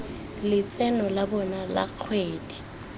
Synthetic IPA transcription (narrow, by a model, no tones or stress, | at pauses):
lɪt͡sʼɛnɔlabɔnala̰k͡xʰweːdi̥